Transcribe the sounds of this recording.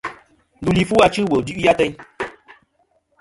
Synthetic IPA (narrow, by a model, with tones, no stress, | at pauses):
du˨li˨fu˦a˧t͡ʃɨ˦˨wə˨du˦ʔja˦tə˧ɲ